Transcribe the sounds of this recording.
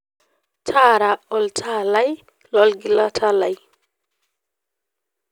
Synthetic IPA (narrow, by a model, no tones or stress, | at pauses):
t͡ʃʰaɾaɔltʰalaj | lɔlɡilatʰalaj